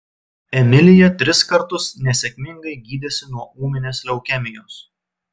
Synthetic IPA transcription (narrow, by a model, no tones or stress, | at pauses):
ɛmʲɪlʲɪjɛt̪ʲɾʲɪskɐɾt̪ʊsnʲɛsʲɛkʲmʲɪŋɡɐɪɡʲiːd̪ʲɛsʲɪnuɔuːmʲɪnʲeːslʲɛʊkʲɛmʲɪjoːs